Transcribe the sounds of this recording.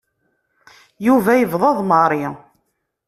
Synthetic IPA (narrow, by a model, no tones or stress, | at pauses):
juvæjəvðˤɑðˤmɑɾˤi